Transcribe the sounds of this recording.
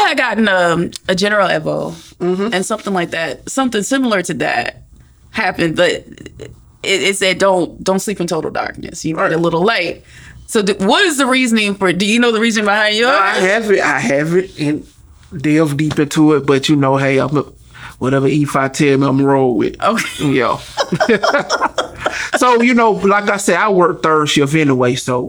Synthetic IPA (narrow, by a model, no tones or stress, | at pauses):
aɪɡɑɾn̩ʌ̃mɨd͡ʒɛnə˞l̩ˠɛvoʊ̥ɨ̃nsʌ̃mθɪ̃ŋlaɪk̚ðæt̚sʌ̃mθɪ̃ŋsɪ̃ml̩ˠə˞ɾɨðæ̰t̚ | hæpɨ̃nbʌɾ | ɪɪtsɨd̥õʊ̃ntd̥õʊ̃ntslipɨ̃n̩tʰoʊɾl̩ˠdɑ̰ɹk̚nɨ̰sjɨmeɪɾəlɪɾl̩ˠlaɪt̚soʊðwʌɾɨzðɨɹiznɪ̃ŋfə˞dɨjɨnoʊðɨɹiznɪ̃ŋbəhãɪ̃ndaɪɨvɪta̰ɪævɨɾ̚ɨ̃n | dɛvdipɨ̃ntʰəɪt̚b̥ʌt͡ʃɨnoʊɦeɪã̰ɪ̃m | wʌɾɛvəifaɪtʰɪ̃mãɪ̃mɹoʊ̃ɪ̰d̥̚ʔo̰ʊkʰjæ̰ | soʊjɨnoʊlaɪk̬aɪsɛdaɪwɜ˞k̚θɜ̥˞ʃɪvɛ̃nəweɪsoʊ